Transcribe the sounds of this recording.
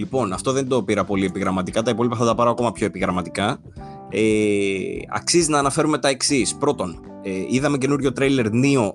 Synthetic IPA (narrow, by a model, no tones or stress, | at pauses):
lipo̞nɐft̪o̞ðe̞nd̪o̞piɾɐpo̞lie̞piɣɾɐmɐt̪ikɐt̪ɐipo̞lipɐθɐt̪ɐpɐɾɐɐko̞mɐpço̞e̞piɣɾɐmɐt̪ikɐ | e | ɐ̰ksiziznɐːnɐfe̞ɾume̞t̪ɐe̞ksispɾo̞t̪o̞n | eiðɐme̞ce̞nuɾʝo̞t̪ɾejle̞ɾnio̞